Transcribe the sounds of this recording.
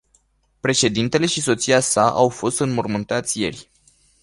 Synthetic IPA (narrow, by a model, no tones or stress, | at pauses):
pɾe̞ʃe̞d̪int̪e̞le̞ʃiso̞t̪siasaʔawfo̞st̪ɨnmormɨnt̪at̪sʲje̞̰rʲ